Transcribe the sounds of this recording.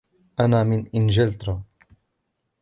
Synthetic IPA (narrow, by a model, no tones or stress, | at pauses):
ʔanaːmɪnʔɪnʒɪlt̪ɾa